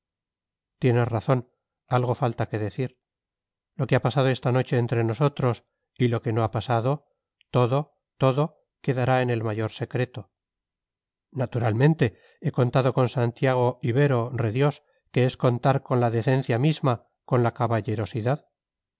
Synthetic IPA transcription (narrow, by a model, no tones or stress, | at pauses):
t̪je̞ne̞sraθo̞n | alɣo̞falt̪ake̞ðe̞θiɾ | lo̞keapasað̞o̞e̞st̪ano̞t͡ʃe̞ːnt̪ɾeno̞so̞t̪ɾo̞s | ilo̞ke̞no̞apasaðo | t̪o̞ðo̞ | t̪o̞ðo̞ | ke̞ðaɾae̞ne̞lmaʝo̞ɾse̞kɾe̞t̪o̞ | nat̪uɾalmẽ̞nt̪e̞ | e̞ko̞nt̪aðo̞ko̞nsant̪jaɣ̞o̞iβe̞ɾo̞reðjo̞s | ke̞esko̞nt̪aɾko̞nlaðe̞θe̞nθjamizma | ko̞nlakaβaʎe̞ɾo̞siðað